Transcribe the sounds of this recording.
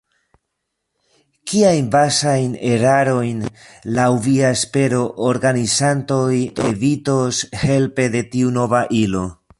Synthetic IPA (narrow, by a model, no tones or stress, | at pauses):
kiajnbasajne̞ɾaɾo̞jnlawviaespe̞ɾo̞ʔoɾɡanizanto̞jḛvito̞she̞lpe̞de̞tiuno̞vaʔilo̞